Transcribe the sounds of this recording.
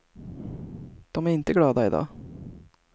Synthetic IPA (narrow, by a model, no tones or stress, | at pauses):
d̪̥ɔmæːɾɪnt̪əɡɽɑːd̪ɑɪ̰d̪ɑ̰ː